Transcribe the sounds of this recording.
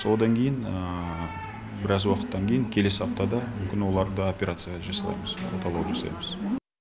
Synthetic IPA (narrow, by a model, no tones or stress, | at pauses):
so̞d̪ɑŋkʲʰe̞jɪnə | bɪɾɑzwɑqə̥t̪ːɑŋkʲʰejɪŋkʲʰe̞le̞sɪɑp̚t̪ɑd̪ɑmʏmkʲɪnwo̞lˠɑɾd̪əo̞pʲeɾat̪sɨjɑʁʒɑsɑlˠɑ̰jməz̥wo̰t̪ɑlˠɑwʒɑsɑ̰jməz̥